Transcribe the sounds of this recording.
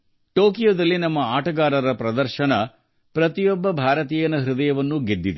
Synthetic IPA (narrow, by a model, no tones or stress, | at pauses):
ʈoːkijoːd̪ɐlːinɐmːɐaːʈɐɡaːɾɐɾɐpɾɐd̪ɐɾʃɐnɐ | pɾɐt̪ijɔbːɐbʱaːɾɐt̪iːjɐnɐɦɾud̪ɐjɐʋɐnːuɡed̪ːid̪e